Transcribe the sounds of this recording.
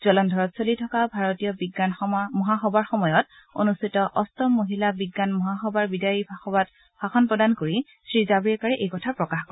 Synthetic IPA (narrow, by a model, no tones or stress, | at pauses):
zɔlɔndʱɔɹɔtsolitʰɔkabʱaɹɔtijɔbiɡanmɔɦaxɔbaɹxɔmɔjɔt | o̰nustʰitɔʔɔstɔmːoɦilabiɡːanmɔɦaxɔbaɹbidaɹibxɔbat̚ | b̥ʱaxɔnpɹɔdankoɹi | sɹizabɹiɛkaɹɛʔejkɔtʰapɹɔkaxkɔɛ